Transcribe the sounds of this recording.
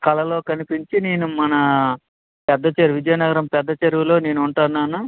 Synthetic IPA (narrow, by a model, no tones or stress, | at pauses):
kɐlɐloːkɐnipiɲt͡ʃine̞ːnumɐnɐ | pɛd̪ːɐt͡ʃɐɾuʋid͡ʒɐjɐnɐɡɐɾɐmpɛd̪ːɐt͡ʃɐɾʋulo̞ːne̞ːnuuɳʈaːnːaːnu